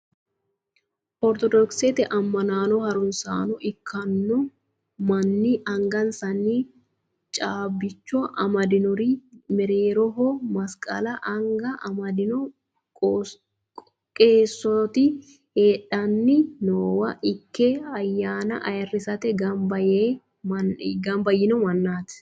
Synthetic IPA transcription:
ʔɔɾt̪ɔd̪ɔksɛt̪ɛʔɐmːɐnaːnɔhɐɾʊnsa̰ːnɔʔɪkʰːɐnːɔ | mɐnːɪʔɐŋɡɐnsɐnːi | t͡ʃʼaːbːɪt͡ʃːɔʔɐmɐd̪ɪnʊɾɪmɛɾeːɾɔɦɔmɐskʼɐ̰lɐʔɐŋɡɐʔɐmɐd̪ɪnɔ | kʼeːsːɔt̪ɪ | heːᶑɐnːɪnoːwɐʔɪkːɛɐjːaːnɐ̰ʔɐjɐrːɪsɐt̪ɛɡɐmbɐjeː | mɐɡɐmbɐjːɪnɔmɐnːaːt̪

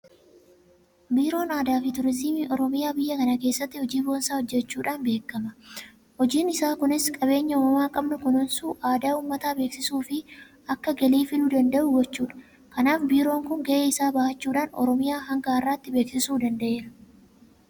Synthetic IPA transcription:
biːɾo̞ːnaːd̪aːfɪt̪ʊɾɪzimiːʔɔɾɔmɪjaːbɪjːɐkɐnɐke̞ːsːɐt̪ːɪhɔd͡ʒiːbo̞ːnsaːhɔd͡ʒːɛt͡ʃːuːᶑaːnbe̞ːkːɐmɐ | hɔd͡ʒiːnɪsaːkʊnɪskʼɐβe̞ːɲːɐuːmɐmaːkʼɐbnʊkʊnɔnsuːʔaːd̪aːuːmːɐt̪aːbe̞ːksɪsuːfɪ | ɐkːɐɡɐliːfɪluːd̪ɐnd̪ɐʔʊɡɔt͡ʃːuːᶑɐ̥ | kɐnaːfbiːɾo̞ːŋkʊŋɡɐʔeːɪsaːbɐʔɐt͡ʃːuːᶑaːnɔ̰ɾɔmɪjaːɦɐŋɡaːɪrːaːt̪ːɪbe̞ːksɪsuːd̪ɐnd̪ɐʔe̞ːɾɐ

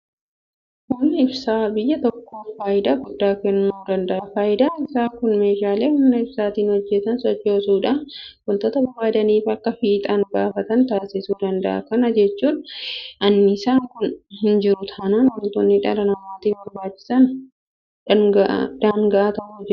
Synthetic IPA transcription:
hʊmnɐɪbsaːbɪjːɐt̪ɔkːoːfaːjɪd̪aɡʊd̪ːaːkɛnːʊmuːd̪ɐnd̪ɐʔɐfaːjɪd̪aɪsaːkʊnme̞ːʃaːleːhʊmnɐɪbsaːt̪iːnhɔd͡ʒːɛt̪ɐnsɔt͡ʃːo̞ːsuːᶑɐkʊnt̪oːt̪ɐbɐbaːd̪ɐniːfɐkːɐfiːt̪ʼɐnɡaːfɐt̪ɐnt̪aːsɪsuːd̪ɐnd̪ɐʔɐ̰kɐnɐd͡ʒɛt͡ʃːuːnɐnːɪːsaːŋkʊnhɪnd͡ʒɪɾʊt̪ʰaːnaːnwʊnt̪ɔnːɪᶑɐɾɐnɐmaːt̪iːbɐɾbaːt͡ʃːɪ̥sɐn | ɡ̰d̪̥aːŋɡɐʔat̪ɐʔud͡ʒɪɾ

